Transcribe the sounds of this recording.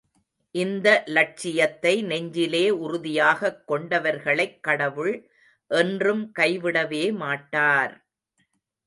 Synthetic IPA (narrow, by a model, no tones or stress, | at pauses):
ʔɪnd̪ɐlɐʈ̚t͡ʃɪjɐt̪ːɐɪnɛɲd͡ʒɪleːʊɾʊðɪjaːɣɐkːɔɳɖɐʋɐɾɣɐɭɐɪkːɐɽɐʋɯɭ | ʔɛndrɯmkɐɪʋɪɽɐʋeːmaːʈːaːɾ